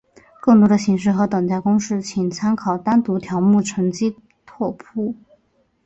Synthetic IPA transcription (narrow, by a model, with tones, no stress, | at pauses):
kɤ˥˩ŋt̪wɔ˥d̪ə˧˩ɕi˧˥ŋʂ̬ɻ̩˥˩xɤ˧˥t̪ɤ˨˩ŋt͡s̪a˥˩ɪkʊ˥ŋʂɻ̩˥˩t͡ɕʰi˨˩ŋt͡sʰa˥nkʰɑ˨˩ʊt̪a˥nt̪u˧˥t̪ʰjɑ˧˥ʊmu˥˩ʈ͡ʂʰɤ˧˥ŋt͡ɕi˥ | t̪ʰwɔ˥˧pʰu˥˩